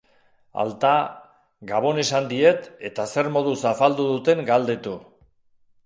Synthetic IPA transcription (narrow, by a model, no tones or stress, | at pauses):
a̰lt̪a | ɡaβ̞o̞ne̞sand̪ie̞t̪e̞t̪ase̞ɾmo̞ðusafald̪uðut̪e̞ŋɡald̪e̞t̪u